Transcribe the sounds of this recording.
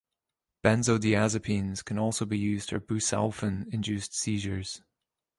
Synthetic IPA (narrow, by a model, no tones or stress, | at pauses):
b̥ɛ̃nzoʊdiazɨpʰĩnz̥kʰɨ̃nɔlˠsoʊbijʉzd̥ə̰˞bʉsa̰lˠfə̃nɪ̃nd͡ʒʉsd̥siʒə˞z̥